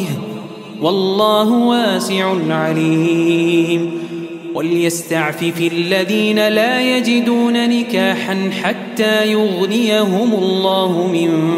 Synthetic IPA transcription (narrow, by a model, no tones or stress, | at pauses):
wɑlˤːɑːɦʊwaːsɪʕʊnʕaliː | m | waljast̪aʕfɪfɪʔalːaðiːnalaːjad͡ʒɪd̪uːnanɪkaːħanħat̪ːaːjʊɣnɪjaɦʊmʊlˤːɑːhʊmɪn